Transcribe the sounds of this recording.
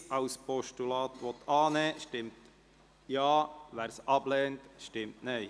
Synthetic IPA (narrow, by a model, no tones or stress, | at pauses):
ɑʊspɔʃtulɑːt̪ʋɔt̪ɑːnɛːʃtɪmt | jɑːʋæːɾsɑblɛːntʃtɪmtnɛɪ